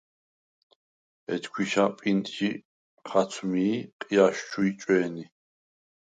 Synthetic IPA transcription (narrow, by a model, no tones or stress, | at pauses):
ɛ̰t̪kʰwiʃapʼint̪ʼʃi | χat͡sʰmiːqʼijaʃt͡ʃʰuit͡ʃʼwɛːni